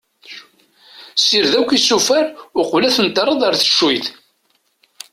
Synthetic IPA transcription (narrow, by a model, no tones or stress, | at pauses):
siɾðækʷːisufæɾʊqvlæθənt̪əɾˤəðˤɑɾθə̥ʃːujθ